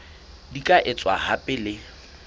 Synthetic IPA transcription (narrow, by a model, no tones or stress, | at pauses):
dikʼaʔɪt͡sʼwahapʼɪlɪ